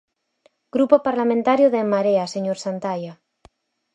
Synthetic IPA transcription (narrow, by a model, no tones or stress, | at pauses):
ɡ̥ɾupopaɾlamẽnt̪aɾjoðemaɾeaseɲoɾsant̪aja